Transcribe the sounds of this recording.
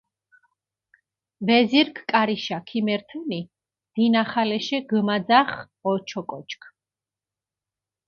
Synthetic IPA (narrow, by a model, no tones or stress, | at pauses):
vɛziɾkʰkʼaɾiʃakʰimɛɾt̪ʰɛni | d̪̥inaχalɛʃɛɡmad̪zaχ | ɔt͡ʃʰɔkʼɔt͡ʃkʰ